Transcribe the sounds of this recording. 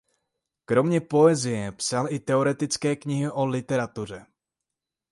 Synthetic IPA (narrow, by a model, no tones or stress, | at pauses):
kɾo̞mɲɛpo̞ɛzɪjɛpsalɪt̪ɛoɾɛt̪ɪt͡skɛːkɲɪɦɪʔo̞lɪt̪ɛɾat̪ur̝ɛ